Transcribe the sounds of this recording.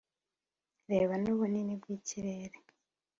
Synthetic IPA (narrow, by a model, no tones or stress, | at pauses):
ɾeːβanuβuninib̚ɡiːciɾeɾe